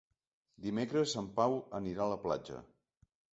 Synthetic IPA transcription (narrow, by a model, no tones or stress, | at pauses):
d̪imekɾəsːampawəniɾaələpla̰d͡ʒə̰